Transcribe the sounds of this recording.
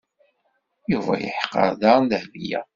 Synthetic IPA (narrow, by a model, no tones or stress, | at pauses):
juvæ̰jə̰ħqːə̰ɾˤðɑɾˤnd̪əhvijæ̰